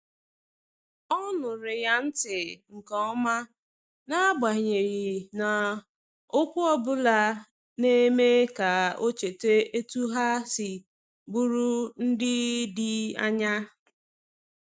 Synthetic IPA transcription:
ɔ˦nʊ˨ɾɪ˨ja˦n̩˦tɪ˨ŋ̩˨kɔ˨ɔ˦ma˦ | na˦ɡ͡ba˨ɲe˨ɣɪ˨na˨ | ʊ˦kʷʊ˦ɔ˦bʊ˦la˦ | ne˦me˦ka˨o˦t͡ʃe˨te˦e˦tu˦ɦa˦sɪ˨ | bu˦ɾu˦n̩˦dɪ˦dɪ˦a̰˦ɲa˦

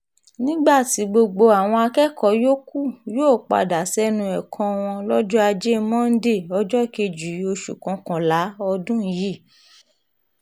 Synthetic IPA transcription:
nĩ˦ɡ͡ba˦˨ti˨˦ɡ͡bo˧ɡ͡bo˧a˨w̃ɔ̃˧a˧kɛ˦kɔ˨˦jo˦ku˦˨joː˦˨k͡pa̰˨da˨sɛ˦nũ˧ɛ˨kʰɔ̃˧w̃ɔ̃˧lɔ˦d͡ʒɔ˦a˧d͡ʒe˦˧˦mɔ̃˦n̩˦de˦˨ɔ˧d͡ʒɔ˦˨ke˧d͡ʒu˨˦o˧ʃṵ˨kɔ̃˨˧kɔ̃˨la˨˦ɔ˧dũ˦ji˦˨

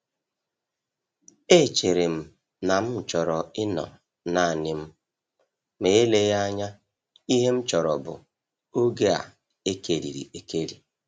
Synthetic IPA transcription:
e˦˨t͡ʃe˨ɾe˨m̩˨ | na˨m̩˦˨t͡ʃɔ˨ɾɔ˨ɪ˦nɔ̰˨ | na˨nɪ˨m̩˦ | me˨˦le˦ja˦ɲa˦ | i˦ɦe˦m̩˦t͡ʃɔ˨ɾɔ˨bʊ̰˨ | o˦ɡe˦a̰˨ | e˦ke˨ɾḭ˨ɾḭ˨e˨ke˦ɾi˨

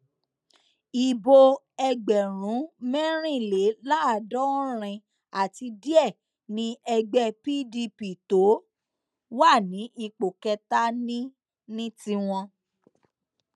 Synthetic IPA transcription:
i˨bo˧ | ɛ˧ɡ͡bɛ˨ɾ̃ũ˨˦mɛ̃˦ɾ̃ĩ˦˨le˨˦la˦a˦˨dɔ˦ɾ̃ɛ̃˧ | a˨ti˧di˦ɛ˦˨ | nĩ˨˦ɛ˧ɡ͡bɛ˦˨pi˦di˧pi˨to˨˦ | wa˦˨nĩ˨˦ʔi˧k͡po˨kɛ˧ta˦nĩ˦ | nĩ˦tĩ˧w̃ɔ̃˧

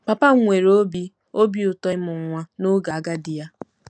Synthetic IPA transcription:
pa˨pa˦ŋʷe˨ɾo˦bi˦ | o˦bi˦ʊ˨tɔ˦mʊ˨ŋʷa˦nʊ˦ɡa˨˦ɡa˦dɪ˨ja˦

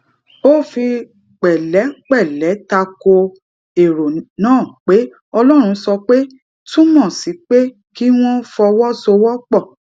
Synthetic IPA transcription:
o˦˨fi˧ | k͡pɛ˨lɛ˨˦k͡pɛ˦˨lɛ˨˦ta˧ko˧ | e˨ɾo˨nãː˦˨k͡pe˨˦ | ɔ˧lɔ˦ɾ̃ũ˧sɔ˧k͡pe˦ | tũ˦mɔ̃˦˨si˨˦k͡pe˦ | ki˦w̃ɔ̃˦fɔ˧wɔ˦so˧wɔ˦k͡pɔ˦˨

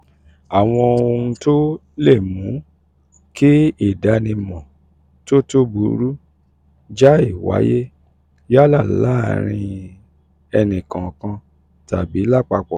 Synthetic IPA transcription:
a˨w̃ɔ̃˧o˧ũ˧to˦ | le˦˨mũ˨˦ | ki˦i˦˨da˧nĩ˧mɔ̃˨ | to˦to˦bu˨˦ɾu˦ | d͡ʒa˦i˦˨wa̰˨˦je˦ | ja˦la˦˨la˦˨ɾ̃ĩ˧ | ɛ˧nĩ˨kã˨kã˧ | ta˨bi˨˦la˦˨k͡pa˧k͡pɔ˨

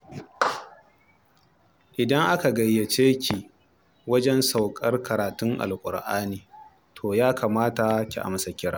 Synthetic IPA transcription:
ʔɪ˨dɐ˦ŋʔa˦ka˨ɡɐ˨jːɐ˨t͡ʃeː˦kʲi˨ | wɐ˦d͡ʒɛ˦nsa˨wkʼɐ˦rkʰɐ˨ɾaː˨tʊ˦ŋʔa̰˨lkʷʼʊ̰˨rʔaː˦niː˨ | tʰoː˨jaː˦kaː˨maː˦ta˨kʲḭ˨ʔa̰˦m˨sa˨kʲɪ˦ɽaː˨˦

